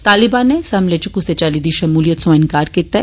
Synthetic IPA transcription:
t̪aːlɪbãːnːesɐmlet͡ʃəkʊset͡ʃaːliːd̪iʃɐmuːlijət̪sõɪnkaːɾkit̪

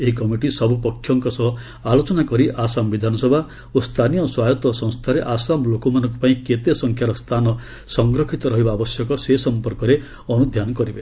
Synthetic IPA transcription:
eɦikɔmiʈisɔbʱupɔkʰːjɔŋkɔsɔɦɔ | alot͡ʃɔnakɔɾiʔasambid̪ʱanɔsɔbʱa | ost̪ʰanijɔswajɔt̪ɔsɔ̃ŋ̃st̪ʰaɾeʔasamlokɔmanɔ̃ŋkupaĩket̪esɔŋkʰjaɾɔst̪ʰanɔ | sɔŋɡɾɔkʰit̪ɔɾɔɦibaːbɔsjɔkɔsesɔmpɔɾkɔɾe | ɔnud̪ʱjanɔkɔɾibe

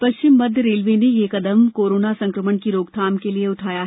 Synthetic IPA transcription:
pɐʃt͡ʃɪmːɐd̪ʱjəɾeːlʋenejekɐd̪əmkoːɾoːnasɐ̃ŋkɾəməɳkiɾoːɡt̪ʰaːmkelieʊʈʰaːjaɦɛ

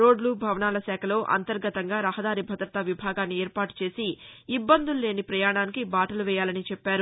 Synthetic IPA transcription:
ɾo̞ːɖluːbʱɐʋɐnaːlɐsɛːkʰɐlo̞ːʔɐ̰nt̪ɐɾɡɐt̪ɐŋɡaːɾɐɦɐd̪aːɾibʱɐd̪ɾɐt̪ɐʋibʱaːɡaːnːieːɾpaːʈu̥t͡ʃe̞ːsiːbːɐnd̪ulːe̞ːnipɾɐjaːɳaːnikibaːʈɐluʋɛːjaːlɐnit͡ʃɛpːaːɾu

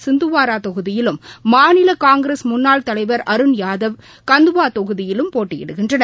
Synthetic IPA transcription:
sɪnd̪ɯʋaːɾaːt̪ɔɣɯðɪjɪlɯmːaːnɪlɐkaːŋɡɾeːsmʊnːaːlt̪ɐlɐɪʋɐɾɐɾɯnjaːðɐʋ | kɐnd̪ɯʋaːt̪ɔɣɯðɪjɪlɯmpoːʈːɪjɪ̰ɽɯɣɪndrɐnɐ

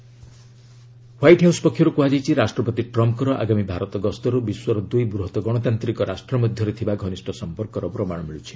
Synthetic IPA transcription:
wajʈɦawspɔkʰːjɔɾukuad͡ʒajt͡ʃʰiɾasʈɾɔpɔt̪iʈɾɔmkɔɾɔʔa̰ɡamibʱaɾɔt̪ɔɡɔst̪ɔɾubiswɔɾɔd̪ujbɾuɦɔt̪ɔɡɔɽ̃ɔt̪ant̪ɾikɔɾasʈɾɔmɔd̪ʱjɔɾet̪ʰibaɡʱɔnisʈɔsɔmpɔɾkɔɾɔpɾɔmaɽ̃ɔmiɭut͡ʃʰi̥

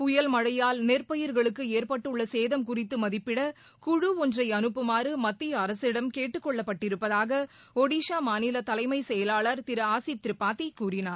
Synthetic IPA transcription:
pʊjɐlmɐɻɐjaːlnɛrpɐjɪɾɣɐɭɯkːɯeːrpɐʈːɯɭːɐseːðɐmkʊrɪt̪ːɯmɐðɪpːɪɽɐ | kʊɻɯɔndrɐɪɐnɯpːɯmaːrɯmɐt̪ːɪjɐɐɾɐsɪɽɐmkeːʈːɯkːɔɭːɐpːɐʈːɪɾɯpːɐðaːɣɐ | ɔɽiːʂaːmaːnɪlɐt̪ɐlɐɪmɐɪsɛjɐlaːɭɐɾt̪ɪɾɯaːsɪt̪ːɾɯpːaːt̪ːikuːrɪnaːɾ

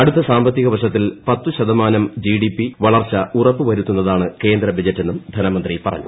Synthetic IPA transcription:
ɐɽut̪ːɐsaːmbɐt̪̬ːiɣɐʋɐʂɐt̪ːilpɐt̪ːuɕɐd̪ɐmaːnɐmd͡ʑiɖipːiʋɐɭɐrt͡ɕːɐurɐpːɨʋɐɾut̪ːunːɐðaːɳɨke̞ːnd̪ɾɐbɐd͡ʑɐtːenːumd̪ʱɐnɐmɐnd̪ripɐrɐ̰ɲːṵ

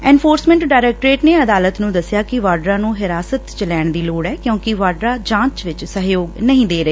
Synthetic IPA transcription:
ɛ̃ːnpʰoːɾsmɛ̃ːɳʈɖaːɪɾɛːk̚ʈɾeːʈneːəd̪aːlət̪nũːd̪əsːɪjaːkɪʋaːɾɖɾãːnũːɦɪɾaːsət̪t͡ʃəlɛːɳd̪iːloːɽɛːkjõːkɪʋaːɾɖɾaːd͡ʒãːt͡ʃʋɪt͡ʃsəɦjoːɡnəɦĩːd̪eːɾəeː

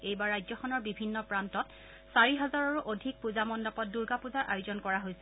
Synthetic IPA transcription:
ejbaɹɹajzɔxʰɔnɔɹbibʱinːɔpɹantɔt | saɹiɦɔzaɹaɹuʔodʱik̚puzamɔndɔpɔt̚duɹɡapuzaɹʔajʊzɔnkɔɹaɦojsɛ

